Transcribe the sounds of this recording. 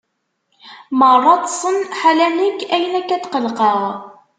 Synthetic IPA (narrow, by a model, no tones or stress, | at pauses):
mərˤːɑt̪ˤsˤənħalænəkːæjənækːæt̪qəlqəʁ